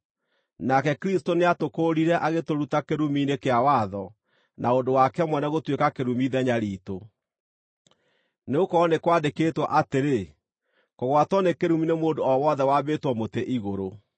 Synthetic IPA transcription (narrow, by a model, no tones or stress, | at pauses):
nakɛkɾistoneatokoːɾiɾɛʔaɣetoɾutakeɾuminekeawaðɔ | nʔaondowakɛmwɛnɛɣotwekakeɾumiðɛɲaɾiːto | neokɔnekwandeketwɔʔateɾe | koɣwatwɔnekeɾuminemoːndoɔwɔːðɛwabeːtwɔmoteʔiɣoɾo